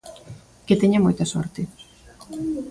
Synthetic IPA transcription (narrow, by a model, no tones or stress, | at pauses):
ket̪eɲamojt̪ɐsɔ̰ɾt̪ɪ